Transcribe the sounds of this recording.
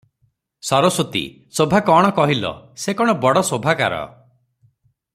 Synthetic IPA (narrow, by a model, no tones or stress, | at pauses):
sɔɾɔsot̪ḭ | sobʱakɔɽ̃ɔkɔɦilɔ̰sekɔɽ̃ɔbɔɽɔsobʱaka̰ɾɔ̰